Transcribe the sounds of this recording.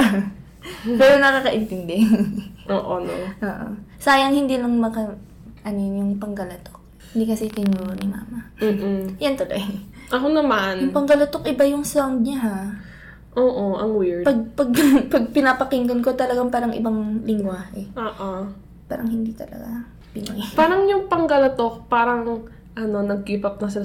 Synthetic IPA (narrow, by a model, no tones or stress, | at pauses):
mɛːɾonɐkaːkɐʔɪnt̪ɪnd̪ɛʔoːʔonoʔoːʔo̰saːjɐŋhɪnd̪iːlɐŋmɐkɐ | ʔɐnojjʊŋpɐŋɡɐlɐt̪ok̚ | hɪnd̪iːkɐsit̪ɪnuːɾonɪma̰ːmɐ | jɐnt̪olojʔɐkonɐmanjʊŋpɐŋɡɐlɐt̪okʔɪbajʊŋsoŋd̪̚ɲɐɦa | ʔoːʔoʔɐŋwiɹpɐɡ̚pɐɡ̚pɐɡ̚pɪnapɐkɪŋɡ̪onko̞t̪ɐlɐɡaŋpaːɾɐŋʔɪ̰baŋlɪŋɡwaːhɛʔoːʔo | pa̰ːɾɐ̰ŋhɪnd̪iːt̪ɐ̰lɐ̰ɡa | pɪno̰jpaːɾɐŋjʊŋpɐŋɡɐlɐt̪ok̚paːɾɐŋ | ʔɐno̞nɐɡ̚kiːpɐp̚nɐs̬ɪ